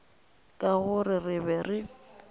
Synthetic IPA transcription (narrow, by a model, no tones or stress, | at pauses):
kʼaɣʊrɪrɪbɛrɪ